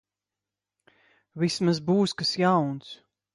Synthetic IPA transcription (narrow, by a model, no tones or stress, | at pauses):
vismazbuːskasjawns